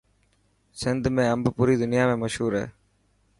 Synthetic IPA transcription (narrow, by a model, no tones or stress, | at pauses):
sɪnd̪ʱmẽːəmbpuːɾiːd̪ʊnɪjaːmẽːməʃɦuːɾɦɛ̰ː